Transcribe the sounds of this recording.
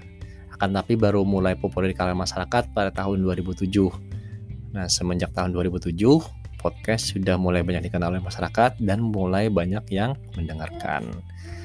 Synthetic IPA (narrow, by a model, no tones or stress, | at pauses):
akant̪apibaɾumulajpopuladikalamaʃaɾakat̪̚padat̪aɦʊnduaɾibut̪ud͡ʒʊh | nahsəməɲd͡ʒak̚t̪aɦʊnduaɾibut̪ud͡ʒʊh | pʰɔt̪̚kɛst̪sudahmulajbaɲak̚dikənalolɛmaʃaɾakat̪̚danmulajbaɲakjaŋməndəŋarka̰n